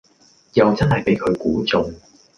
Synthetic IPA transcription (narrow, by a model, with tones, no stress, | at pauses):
jɐ˨wt͡sɐ˥nɦɐ˨jpe˨˥jkʰɵ˨˧ɥkuː˨˥t͡sʊ˨˧ŋ